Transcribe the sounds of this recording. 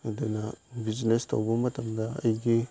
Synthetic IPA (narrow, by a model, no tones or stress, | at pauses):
denabiznestʰa̰wbɐmɐtɐmdaɐ̰jɡi